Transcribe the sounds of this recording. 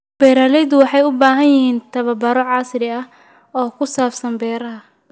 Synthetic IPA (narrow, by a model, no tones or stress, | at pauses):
b̥ɛːɾaːlɛjðʊwɑħɑjʊbaːɦɐnjɪhiːnt̪ʰɐβɐbɐɾɔʕɑːsɪɾɪɐ | ɔːkʰʊsaːfsɐnbɛːɾɐɦɐ